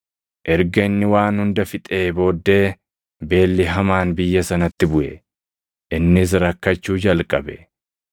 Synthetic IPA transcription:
ʔɛɾɡɐnːɪwaːnhʊnd̪ɐfɪt̪ʼe̞ːbo̞ːd̪ːe̞ː | be̞ːlːɪɦɐmaːnbɪjːɐsɐnɐt̪ːɪbʊʔɛ̰ | ʔɪnːɪs̬ɾɐkːɐt͡ʃːuːd͡ʒɐlkʼɐbɛ

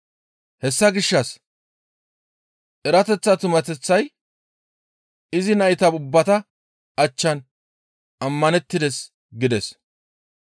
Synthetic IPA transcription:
hɛsːɐɡɪʃːɐs | ʔɛɾɐt̪ɛt͡sːɐt̪ʊmɐt̪ɛt͡sːɐj | ɪzɪnɐʔɪt̪ɐbʊbːɐt̪ɐ | ɐt͡ʃːɐn | ɐmːɐnɛt̪ːɪd̪ɛs | ɡɪd̪ɛs

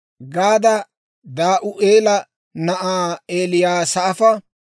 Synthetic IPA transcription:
ɡaːd̪ɐ | d̪aːʔʊʔeːlɐ | nɐʔaːeːlɪjaːsɐʔːfɐ

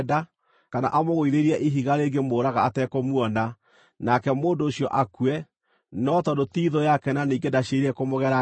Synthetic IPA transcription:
da | kana̰ʔamoɣoiɾeɾiɛʔiɦiɣaɾeɡemoːɾaɣaːtɛkomwɔna | nakɛmoːndoːɕiɔʔakuɛ | nɔtɔdotiðojakɛnaniːŋɡedaɕeɾiɛkomoɣɛɾa

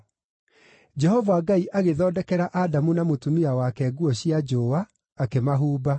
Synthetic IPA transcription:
d͡ʑɛɦɔvaɡaiʔaɣeðɔːdɛkɛɾaʔadamunamotumiawakɛɡuɔɕiad͡ʒoːwaː | kemaɦuːba

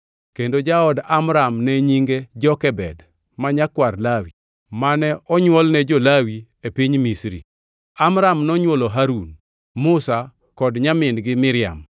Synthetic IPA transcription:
kendod͡ʒaɔdamɾamnɛɲiŋɡed͡ʒɔkɛbɛd | maɲakwarlawi | manɛʔɔɲwɔlnɛd͡ʒɔlawi | epiɲmisɾḭ | amɾamnɔɲwɔloɦaɾun | mʊsa | kɔdɲamɪnɡɪmɪɾɪa̰m

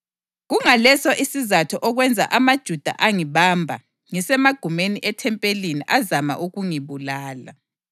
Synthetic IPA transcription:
ɣuŋalɛsɔʔisizatʰɔʔɔɣwɛnd͡zʱa̰ʔamad̥ʒ̥ʱud̥ʱa̰ʔaŋiβambʱa | ŋisɛmaɡ̥ʱumeniʔɛtʰɛmpʼeliniʔazama̰ʔuɣuŋiβulaːla̰

